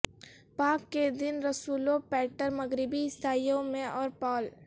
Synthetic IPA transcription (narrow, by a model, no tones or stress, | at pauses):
paːkːed̪ɪnɾɐsuːlopɛːʈəɾmɐɡɾɪbiɪst̪ʰaːijõmẽɔːɾpɔːl